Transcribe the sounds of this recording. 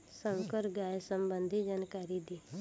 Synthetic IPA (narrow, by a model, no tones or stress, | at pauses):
sə̃wkəɾɡaːjsəmbənd̪ʱid͡ʒaːnkaːɾid̪iː